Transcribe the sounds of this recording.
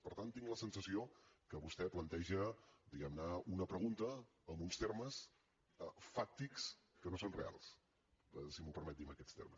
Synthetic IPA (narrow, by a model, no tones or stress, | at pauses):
pəɾt̪ant̪ːiŋɡləsənsəsiokəβust̪ɛplənt̪ɛʒəd̪iɣɛmnəunəpɾəɣunt̪əː | mbunst̪erməs | əfak̚t̪iks | kənosonrea̰lˠs | simupəɾmɛt̪d̪iməkɛst̪ḛrməs